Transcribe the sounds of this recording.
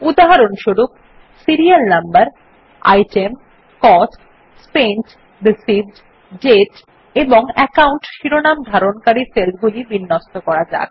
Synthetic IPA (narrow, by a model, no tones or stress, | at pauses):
ud̪aɦaɾonʃoɾuk̚ | siɾialnambaɾ | a̰jʈem | kɔsk | spenʈ | d̪isibɖ | ɖeʈ | eboŋɛkauɳʈʃiɾonamd̪ʱaɾonkaɾiɾselɡulibinːɔst̪okɔɾad͡ʑa̰k